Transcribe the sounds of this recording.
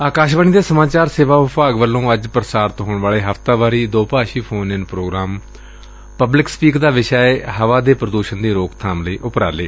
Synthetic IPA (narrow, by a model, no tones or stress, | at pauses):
aːkaːʃʋaːñiːd̪eːsəmaːt͡ʃaːɾseːʋaːpaːɡʋəlːõːəd͡ʒpɾəsaːɾt̪ɦoːɳʋaːɭeːɦəft̪aːʋaːɾiːd̪oːpaːʃiːpʰoːnɪnpɾoːɡɾaːm | pəblɪkspiːkd̪aːʋɪʃaːeːɦəʋaːd̪eːpɾəd̪uːʃənd̪iːɾoːkt̪ʰaːmləiːʔʊpɾa̰ːleː